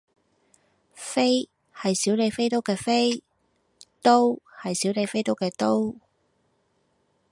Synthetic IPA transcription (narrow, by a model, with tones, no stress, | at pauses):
fe˥j | hɐ˨jsiː˨˥wle˨˧jfe˥jt̪o˥wkɛː˧fe˥j | t̪o˥whɐ˨jsiː˨˥wle˨˧jfe˥jt̪o˥wkɛː˧t̪o˥w